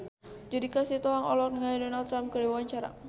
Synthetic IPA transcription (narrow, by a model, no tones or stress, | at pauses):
d͡ʒadikasit̪ɔɦaŋɔ̰lɔk̚nəŋadɔnalt̪ːɾamkədewaaɲt͡ʃaɾa̰